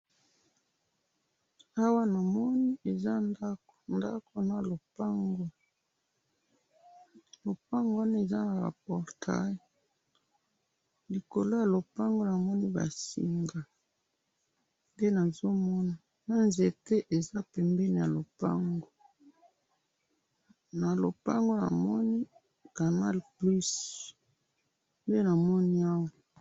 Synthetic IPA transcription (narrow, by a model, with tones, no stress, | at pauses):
a˦wa˦na˨mɔ˦ni˦e˨za˦nda˦knda˦kʰo˦na˨lo˨pa˦ŋɡo˦ | lo˨pa˦ŋɡo˦a˦n˦e˨za˦na˨ʁa̰˨pɔ˨ʁtʰa̰˦˨ | li˨ko˨lo˦ja˨lo˨pa˦ŋɡo˦na˨mɔ˦ni˦ba̰˨sḭ˨ŋɡa˨ | nde˦na˨zo˦mɔ˦na˨ | na˦nze˨te˦ʔe˨za˦pɛ˨mbɛ˦ni˨ja˨lo˨pa˦ŋɡo˦ | na˨lo˨pa˦ŋɡo˦na̰˨mɔ˦ni˦ | ka˨na˦lplu˦s | nde˦na˨mɔ˦ni˦a˦wa˨